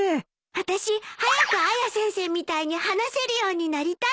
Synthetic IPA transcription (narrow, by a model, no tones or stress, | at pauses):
βat̪aɕihajakɯ̟ajasẽ̞ɰ̃se̞ːmʲit̪aiɲ̟ihanase̞ɾɯ̟jo̞ːɲ̟inaɾʲit̪a